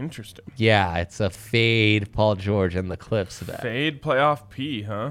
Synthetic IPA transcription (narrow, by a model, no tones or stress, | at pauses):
ɪ̃nt͡ʃɹ̥ɨstɪ̃ŋjæɪtsəfeɪd̚pʰɔlˠd͡ʒɔɹd͡ʒɨ̃nðɨkʰl̥ɪpsʌv̰æ̰eɪd̚pʰl̥eɪɔfpʰiɦʌ̃